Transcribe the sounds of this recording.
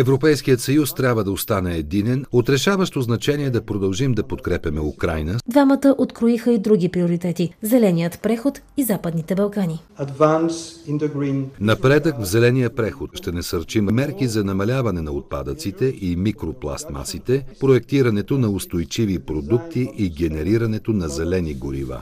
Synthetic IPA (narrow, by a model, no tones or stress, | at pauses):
ɛvɾopɛjskijət̪sɐjust̪ɾʲabvəd̪ɐost̪anɛɛd̪inɛnot̪ɾɛʃavəʃt̪oznɐt͡ʃɛniɛd̪ɐpɾod̪ɐlˠʒimd̪ɐpot̪kɾɛpʲɐmɛukɾajnəd̪vamət̪əʔot̪kɾoixəid̪ɾuɡ̟ipɾioɾit̪ɛt̪izɛlɛnijət̪pɾɛxot̪izapəd̪nit̪ɛbɐlˠkaniad̪vãnsĩnd̪əɡɾĩnnɐpɾɛd̪əkvzɛlɛnijəpɾɛxot̪ʃt̪ɛnɐsɐɾt͡ʃimmɛɾkizɐnɐmɐlʲavɐnɛnɐot̪̚pa̰d̪ət̪sit̪ɛʔimikɾoplˠa̰st̪ma̰sit̪ɛpɾoɛk̚t̪iɾɐnɛt̪onɐʊst̪ojt͡ʃivipɾod̪ukt̪iʔiɡɛnɛɾiɾɐnɛt̪onɐzɛlɛniɡoɾḭva̰